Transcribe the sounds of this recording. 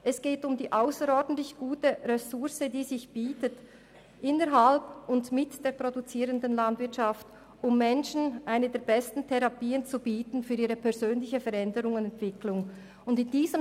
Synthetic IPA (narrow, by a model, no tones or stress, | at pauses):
ʔɛsɡ̥eːtʊmdiːʔaʊsəɾɔɾdən̩tlɪçɡ̥uːtəʁɛsʊʁsədiːzɪçb̥iːtət | ʔɪnəɾɦalbʊndmɪtd̥eːɐpʁ̥odut͡siːʁəndənlɑndvɪɐtʃɑft | ʔʊmːɛnʃn̩ʔaɪnədeːɐbɛstn̩tʰɛʁɑpiːənt͡subiːtn̩fyːɾiːʁəpʰɛʁzøːnlɪçəfɛɾɛndəʁʊŋʊnɛntv̥ɪklʊŋ | ʊndɪndiːzəm